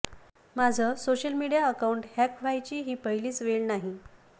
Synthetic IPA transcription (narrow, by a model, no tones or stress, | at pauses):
mad͡zʱəsoɕəlmiɽijaəkauɳʈhɛkʋajt͡ɕiːɦiːpəɦiliːt͡sʋelnaɦi